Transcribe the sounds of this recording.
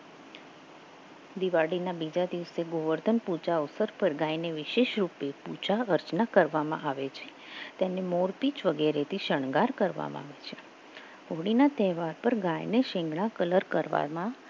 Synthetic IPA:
d̪iʋaɽinabid͡ʒad̪iʋseɡoʋəɾd̪ʱənput͡ʃaəsəɾpəɾɡajneʋɪʃeʃɾupeput͡ʃaəɾt͡ʃnakəɾʋamã̰ʔaʋet͡ʃʰe̥ | t̪enemoɾpit͡ʃʋəɡeɾet̪ʰiʃəɳɡaɾkəɾʋa̰mã̰a̰ʋet͡ʃʰe | ɦoɽinat̪ɛɦʋaɾpəɾɡãjneʃɪ̃ŋɡɳ̃ãkələɾkəɾʋa̰ɾmã

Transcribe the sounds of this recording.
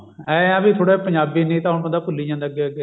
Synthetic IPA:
ɛːəbiːt̪ʰoːɽeːpəɲd͡ʒaːbiːnĩːt̪ãːɦʊnpə̃nd̪aːpʊlːiːd͡ʒãːnd̪eːəɡːeːəɡeː

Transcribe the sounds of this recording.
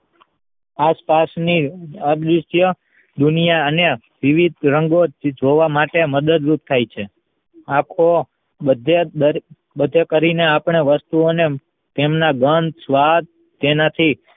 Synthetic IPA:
aspasniəd̪iʃjə | d̪unijaəne | ʋiʋid̪̚ɾəŋɡod͡ʒʱoʋamaʈeməd̪əd̪ɾup̚t̪ʰajt͡ʃʰe | akʰo | əd̪ʱeəɾ | bəd̪ʱekəɾineapɳ̃eʋəst̪uone | t̪emnaɡənd̪sʋad̪̚ | t̪enat̪ʰi

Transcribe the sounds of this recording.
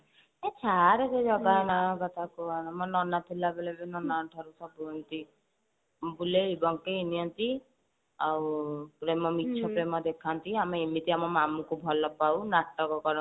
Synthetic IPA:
et͡ʃʰaɾed͡ʒed͡ʒɔɡanaɡɔt̪akuanamɔnɔnat̪ʰilabelebenɔnaɔʈʰɔɾusɔbuɔnt̪i | mbuleibɔŋkeiniɔnt̪i | aupɾemɔmitːt͡ʃʰɔpɾemɔd̪ekʰant̪iameimit̪iamɔmamukubʱɔlɔpawnaʈːɔkɔkɔɾ

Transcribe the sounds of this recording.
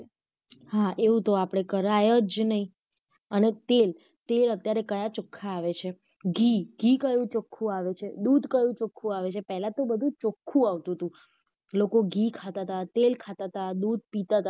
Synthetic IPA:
ɦaeʋũt̪oapɽ̃ekəɾajəd͡ʒnəĩ | ənet̪el | t̪elət̪jaɾekəjat͡ʃokʰːaːʋet͡ʃʰe | ɡʱiɡʱikəjʋũt͡ʃokʰːũaʋet͡ʃʰed̪ud̪ʱkəjũt͡ʃokʰːũaʋet͡ʃʰepɛɦlat̪obəd̪ʱũt͡ʃokʰːũaʋt̪ũt̪ũ | lokoɡʱikʰat̪at̪at̪elkʰat̪at̪ad̪ud̪̚ʱpit̪at̪a

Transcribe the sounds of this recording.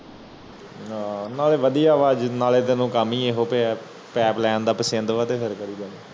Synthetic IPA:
naːleːʋəd̪ijaːʋaːd͡ʒnaːleːt̪eːnũːkəmiːeːɦoːpeɛ | pɛːplɛːnd̪aːpəsə̃nd̪ʋaːt̪eːpʰɪɾkəɾiːd͡ʒaːniː

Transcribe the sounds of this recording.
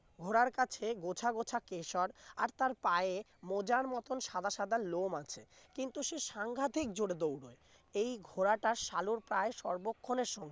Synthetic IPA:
ɡʱoɾaɾkat͡ɕʰeɡot͡ɕʰaɡot͡ɕʰakeʃɔɾaɾt̪aɾpae | mod͡ʑaɾmɔt̪onʃad̪ʱaʃad̪alomat͡ɕʰe | kint̪uʃeʃaŋɡʱat̪ʰik̚d͡ʑoɽed̪owɽo̰e | ejɡʱoɾaʈaʃaluɾpɾaeʃɔɾbokʰːoneɾʃɔŋɡe

